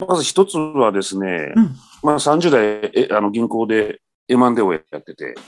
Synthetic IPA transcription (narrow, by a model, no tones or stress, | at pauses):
bakazaçi̥t̪o̞t͡sɨβad̪e̞sɨne̞̰ | masãɲ̟d͡ʑɨːd̪aiʔʔano̞ɡʲĩŋko̞ːd̪e̞ː | mãnd̪e̞ojjat̪ːe̞t̪e̞̰